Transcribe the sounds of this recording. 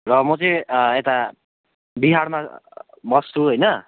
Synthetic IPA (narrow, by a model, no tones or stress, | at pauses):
rʌmʌt͡sʌĩet̪a | biɦaɽma | mʌst̪uɦojnʌ